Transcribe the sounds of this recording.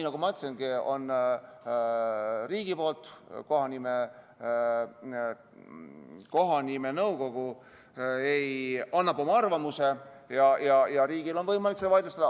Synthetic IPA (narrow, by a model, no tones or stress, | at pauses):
inɑɡumɑt̪senɡ̥eo̞̰n | riːɡ̥ipo̞ːlt̪ˑko̞ɦɑnime | ko̞ɦɑnimenɤwɡo̞ɡ̥u | ejɑnːɑbo̞mɑɑrvɑmuse | jɑjɑjɑɾiːɡ̥ilo̞nvɤjmɑlikseɑvɑjd̪ust̪ɑd̥̪ɑ